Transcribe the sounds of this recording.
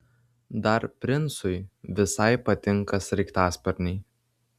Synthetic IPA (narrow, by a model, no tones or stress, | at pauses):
d̪ɐɾpʲɾʲɪnˑsʊɪʋʲɪsɐɪpɐt̪ʲɪŋˑkɐsɾʲɛɪkt̪ɑːspʲɐɾʲnʲɛɪ